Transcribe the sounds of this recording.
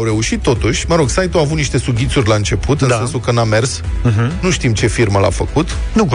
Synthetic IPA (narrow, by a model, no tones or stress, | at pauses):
wɾe̞uʃit̪ːo̞t̪uʃʲməɾo̞ɡsajt̪uavut̪niʃt̪e̞suɡʲit̪surʲlaɨnt͡ʃe̞pʰut̪ɨnse̞nsulkɨnd̪ame̞rsɦnuʃt̪imt͡ʃe̞firməla̰fəkut̪ | nu